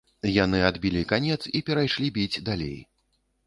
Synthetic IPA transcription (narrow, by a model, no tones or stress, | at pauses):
janɨad̪bʲilʲikanʲɛt̪sipʲɛɾajʂlʲibʲid͡zʲd̪alʲḛj